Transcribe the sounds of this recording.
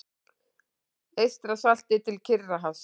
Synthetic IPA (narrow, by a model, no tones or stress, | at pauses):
ejst̪ɾasal̥t̪ɪt̪ʰɪlcʰɪrːaɦaws